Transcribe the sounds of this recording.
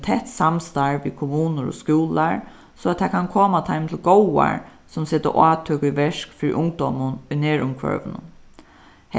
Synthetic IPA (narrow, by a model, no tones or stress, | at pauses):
t̪ʰɛht̪samst̪aɹʋḭkʰʊmuːnʊɾɔ̰skjuːlaɹ | sɔat̪t̪ʰːakʰankʰoːmat̪ʰaɪmt̪ʰɪlɡowa̰ɹ | sʊmseːt̪ə̰ʔaːt̪ʰøːkiʋɛʂkfɪːɾḭʔʊŋk̚d̪ɔːmʊnʊneːɹʊŋkʰʋœ̰ʋənʊ̰n